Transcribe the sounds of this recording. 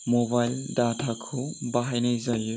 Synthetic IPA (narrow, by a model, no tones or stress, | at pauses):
mɔbajldatʰakʰubaɦajnɯjzajɯ